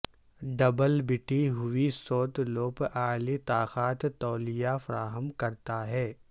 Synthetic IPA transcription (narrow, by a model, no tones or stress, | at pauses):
ɖɐbəlbɪʈʰiɦʊisoːt̪loːpaːlit̪aːxaːt̪t̪ːɔːlɪjafɐɾaːɦəmkɐɾt̪aɦɛː